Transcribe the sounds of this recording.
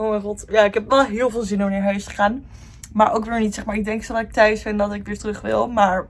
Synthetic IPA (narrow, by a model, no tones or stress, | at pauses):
owmɛjχɔtjaːɪkɦɛpʋɛlˠɦɪːlˠvɪːlˠzɪnomnaːɹɦœɥstə̥χaːn | maːɹʔowkʋɪːɹnitsɛχmaːɹɪɡ̚dɛŋksodɑtɪk̚tœɥsfɪndɑtɪkʋɪːɹtrɵχʋɪ̰lˠmaːɹ